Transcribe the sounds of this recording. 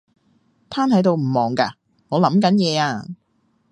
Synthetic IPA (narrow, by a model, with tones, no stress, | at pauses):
t̪ʰaː˥nhɐ˨˥jt̪o˨˧wm̩˨˩mɔː˨˩ŋka̰ː˧ | ŋɔː˨˧lɐ˨˥mkɐ˨˥njɛː˨˧aː˧